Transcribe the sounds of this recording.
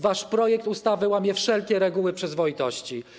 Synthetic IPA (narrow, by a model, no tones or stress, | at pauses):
vaʂpɾɔjɛk̚t̪ust̪avɘwamʲjɛfʂɛlkʲɛɾɛɡuwɘpʂɛzvɔjit̪ɔɕt͡ɕi